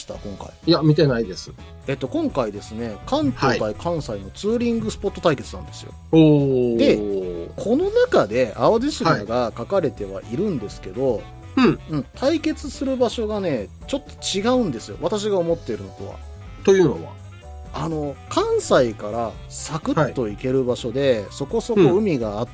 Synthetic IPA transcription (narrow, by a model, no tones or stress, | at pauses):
i̥t̪akõ̞ŋka̰ijamʲit̪e̞naid̪e̞sɨ̥ | e̞t̪ːo̞kõ̞ŋkaid̪e̞sɨne̞kãnt̪hoːit̪aikʰãɰ̃saino̞t͡sɨːɾʲĩŋɡɯ̟sɨ̥po̞t̪ːo̞t̪aike̞t͡sɨnã̰nd̪e̞sɨjo̞̰oːd̪e̞kʰo̞no̞nakad̪e̞ʔaodeɕiaaɡakakaɾe̞t̪e̞β̞a̰ʔiɾɯ̟̃nd̪e̞sɨ̥ke̞d̪o̞ | ɯ̟̃ɴt̪ʰaike̞t͡sɨsɨɾɯ̟baɕo̞ɡane̞ | t͡ɕo̞t̪ːo̞̥t͡ɕiɡaɯ̟̃nd̪e̞sɨjo̞̰βat̪aɕ̬iɡao̞mo̞t̪ːeɾɯ̟no̞ko̰βa̰ | t̪ojɯnoβa̰ | ano̞kãɰ̃saikaɾa | sakɯ̟tiːo̞ike̞ɾɯ̟baɕo̞d̪e̞so̞ko̞so̞ko̞ɯ̟mʲiɡaː